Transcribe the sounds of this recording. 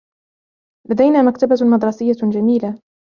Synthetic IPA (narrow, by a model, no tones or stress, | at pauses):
lad̪ajnaːmakt̪abamɑd̪ɾˤɑsɪjːad͡ʒamiːla